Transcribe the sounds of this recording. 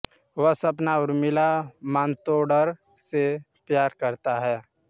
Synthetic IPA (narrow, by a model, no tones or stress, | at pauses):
ʋəɦsɐpnaʊɾmɪlamãːnt̪oɖəɾ | se | pjaːɾkɐɾt̪aɦɛː